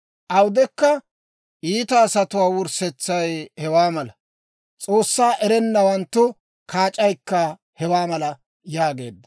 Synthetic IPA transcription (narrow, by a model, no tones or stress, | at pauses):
ʔɐwd̪ɛkːɐ | ʔiːt̪ɐːsɐt̪ʊwaːwʊɾsɛt͡sːɐjhɛwaːmɐlɐ | t͡sʼo̞ːsːaːʔɛɾɛnːɐwɐnt̪ːʊ | kʰaːt͡ʃʼɐjkːɐ | hɛwaːmɐlɐ | jaːɡe̞̰ːd̪ːɐ